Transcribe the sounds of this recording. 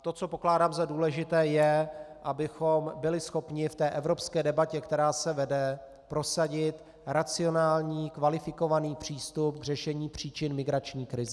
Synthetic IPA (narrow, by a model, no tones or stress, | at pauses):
t̪o̞t͡so̞po̞klaːdaːmzaduːlɛʒɪt̪ɛːjɛʔabɪxo̞mbɪlɪsxo̞pɲɪft̪ɛːʔɛvɾo̞pskɛːdɛbacɛkt̪ɛɾaːsɛvɛdɛ | pɾo̞saɟɪt̪ | ɾat͡sɪo̞naːlɲiːkvalɪfɪko̞vaniːpr̝̥iːst̪upɡr̝ɛʃɛɲiːpr̝̥iːt͡ʃɪnmɪɡɾat͡ʃɲiːkɾɪzɛ